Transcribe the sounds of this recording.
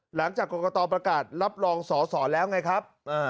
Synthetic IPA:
la˩˦ŋt͡ɕaː˨˩kːoː˨˩kɔː˧t̪ɔː˧pɾa˧kaː˨˩t̪̚ɾa˦˥p̚ɾɔː˧ŋsɔː˩˦sɔː˩˦lɛː˦˥wŋa˧˥jkʰɾa˦˥p̚ʔaː˧˩

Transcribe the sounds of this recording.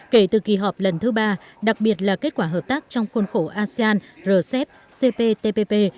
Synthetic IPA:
ke˧˩t̪ɨ˨˩ki˨˩ɦɔ˨˩p̚lə˨˩nt̪ʰɨ˨˦ɓaː˧ɗa˨˩k̚ɓi˨˩ət̚laː˨˩ke˦˥t̚kwaː˧ɦəː˨˩p̚t̪aː˦˥k̚t͡ɕɔ˧wŋ͡mxo˧nxo˧˦ʔaː˧si˧aː˧nzəː˨˩sɛ˦˥p̚ | se˧pe˧t̪e˧pe˧pe˧

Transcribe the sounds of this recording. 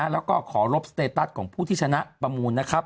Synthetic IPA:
a˦˥lɛː˦˥wkɔː˥˩kʰɔː˩˦ɾo˦˥p̚sḁ˧t̪eː˧pt̪a˦˥t̪̚kʰɔː˩˦ŋpʰuː˥˩t̪ʰiː˥˩t͡ɕʰa˧na˦˥ʔpɾa˧muː˧nːa˦˥kʰa˦˥p̚

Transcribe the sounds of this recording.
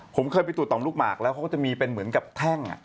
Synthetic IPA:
pʰo˩˦mkʰɤː˧jpa˧j̪t̪u˨˩t̪ɔː˨˩˦luː˦˥˩k̚maː˨˩k̚lɛ˦˥kʰa˥˩t͡ɕa˨˩miː˧pe˧nmɯ˩˦ənka˨˩p̚t̪ʰɛ˥˩ŋʔa̰˨˩ʔ

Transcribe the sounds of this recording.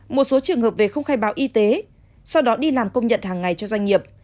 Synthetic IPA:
mo˨˩t̚so˨˦t͡ɕɨ˨˩əŋhəː˨˩p̚ve˨˩xə˧wŋ͡mxaː˧jɓaː˨˦wʔi˧t̪e˨˦ | sa˧wɗɔ˨˦ɗi˧laː˨˩mkə˧wŋ͡mɲə̰˧˨nhaː˨˩ŋːa˨˩jt͡ɕɔ˧zwa˧ŋ̟ŋi˨˩əp̚

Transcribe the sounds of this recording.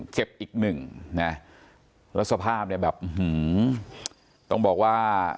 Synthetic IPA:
t͡ɕe˨˩p̚ʔiː˨˩k̚nɯ˨˩ŋna˦˥ | lɛː˦˥t̪̚sa˧pʰaː˥˩p̚ni˥˩bɛː˨˩p̚ʔmɯ˩˦ | t̪ɔ˥˩ŋbɔː˨˩k̚waː˥˩

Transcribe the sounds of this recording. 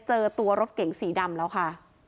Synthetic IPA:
t͡ɕɤː˧t̪u˧ɐɾo˦˥t̪̚ke˨˩˦ŋsiː˩˦da˧mlɛː˦˥wkʰa˥˩

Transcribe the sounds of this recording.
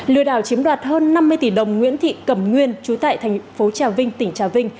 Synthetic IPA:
lɨ̰˧əɗaː˧˩wt͡ɕi˨˦əmɗwaː˨˩t̚həː˧nːa˧mːɨ˧əjt̪i˧˩ɗə˨˩wŋ͡mŋwḭ˧˥ənt̪ʰḭ˧˨kə˧˩mŋwi˧ənt͡ɕu˨˦t̪a̰ː˧˨jt̪ʰɛ˨˩jŋ̟fo˨˦t͡ɕaː˨˩wvï˧ŋ̟t̪ï˧˩ŋ̟t͡ɕaː˨˩wvï˧ŋ̟

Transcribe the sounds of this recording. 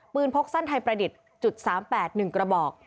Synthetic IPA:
pɯː˧npʰo˦˥k̚sa˥˩nt̪ʰa˧jpɾa˧di˨˩t̪̚ | t͡ɕu˨˩t̪̚saː˩˦mpɛː˨˩t̪̚nɯ˨˩ŋkɾa˧bɔː˨˩k̚

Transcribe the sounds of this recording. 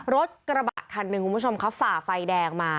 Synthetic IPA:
ɾo˦˥t̪̚kɾa˧ba̰˨˩kʰːa˧nːɯ˧kʰu˧˩bt͡ɕʰo˧mkʰa˦˥wfaː˨˩fa˧jdɛː˧ŋmaː˧

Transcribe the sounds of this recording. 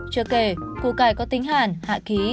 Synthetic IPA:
t͡ɕəː˨˧˩ke˧˩kṵ˧˨kaː˧˩jkɔ˨˦t̪ï˨˦ŋ̟haː˧˨˩nha̰ː˧˨ki˨˦

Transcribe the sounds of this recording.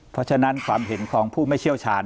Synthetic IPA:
pʰɔ˦˥t͡ɕʰa˧na˦˥nkʰwaː˧mhe˩˦nkʰɔː˩˦ŋpʰuː˥˩ma˥˩jt͡ɕʰi˥˩əwt͡ɕʰaː˧n

